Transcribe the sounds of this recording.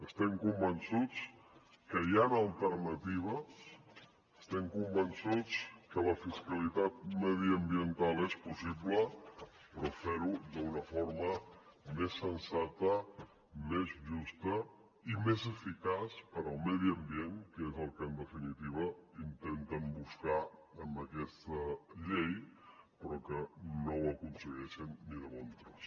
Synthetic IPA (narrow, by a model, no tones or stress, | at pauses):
əst̪ɛmkumbənsut͡s | kəjanəlˠt̪ərnət̪iβ̞ə | əst̪ɛmkumbənsut͡skələfiskəlit̪at̪̚məðiəmbiənt̪alˠespusibləpɾofeɾud̪əunəfoɾməmesːənsat̪ə | mezʒust̪ə | imezəfikaspəɾəlˠmɛðiəmbieŋkezəlˠkənd̪əfinit̪iβ̞əint̪ent̪əmbuskaəmbəkɛst̪əʎejpəɾɔkənowəkunsəɣɛʃənːiðəβont̪ɾəs